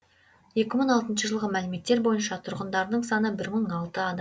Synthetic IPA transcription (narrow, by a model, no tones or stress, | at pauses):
je̞kʲɪməɴɑlˠt̪ənʃəʒəlˠʁəmælɪme̞t̪ːe̞ɾbo̞jənʃɑt̪ʰʊɾʁənd̪ɑɾd̪əɴsɑnəbɪɾməɴɑlˠt̪əɑd̪ɑ